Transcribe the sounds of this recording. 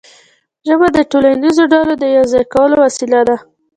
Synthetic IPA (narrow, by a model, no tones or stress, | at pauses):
ʒəbad̪əʈoland̪izoɖɑlod̪əjawzɑjkawəlowasilad̪a